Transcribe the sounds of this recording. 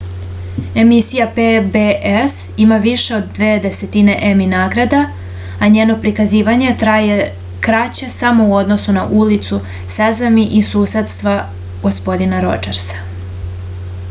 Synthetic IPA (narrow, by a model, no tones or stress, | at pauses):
e̞misijapebeʔes | imaʋiʃe̞o̞d̪ːʋeːd̪e̞se̞t̪ine̞ʔeminaːɡɾad̪a | aɲeːno̞pɾikaziːʋaɲe̞aje | kɾat͡ɕe̞samo̞uo̞d̪no̞suna̰ʔulit̪su | sezamiʔisuːse̞d̪st̪ʋa | ɡ̥o̞spo̞d̪inaɾo̞̰d͡ʒeɾsḁ